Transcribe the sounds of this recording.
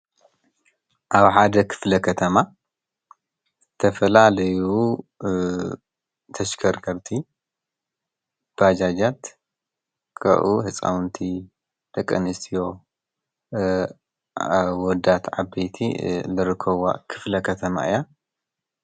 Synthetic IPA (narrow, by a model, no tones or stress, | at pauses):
ʔaβħad̪ɐkʰɨ̥flɐkʰɐt̪ʰɐma | zɨt̪ʰɐfɐlalɐju | t̪ʰɐʃkʰɐɾkʰɐɾt̪ʰi | b̥ad͡ʒad͡ʒat̪ | kʰɐ̰ʔuhɨt͡sʼa̰wnt̪ʰi | d̪̥ɐkʼːɐnɨst̪ʰijo | wɔd̪at̪ʕabejt̪ʰḭlɨɾɨkʰːɐwa̰kʰɨ̥flɐkʰɐt̪ʰɐma̰ɨja